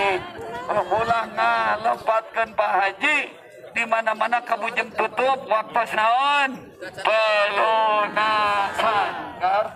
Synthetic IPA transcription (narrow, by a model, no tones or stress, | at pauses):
əbulaŋnaləpat̪̚kənpaɦad͡ʒi | dimanamanakabud͡ʒəmt̪ət̪ʊp̚wak̚t̪ɔsnaɔn | pəlunaanka